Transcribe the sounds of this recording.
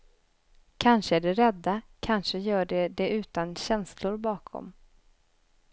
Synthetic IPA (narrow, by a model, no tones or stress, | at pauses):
kʰanʂəæɖɛɾɛd̪ːakʰanʂəjœːɖɛd̪ɛʉ̟ːt̪anɕɛnslʊɾbɑːkʰɔ̰m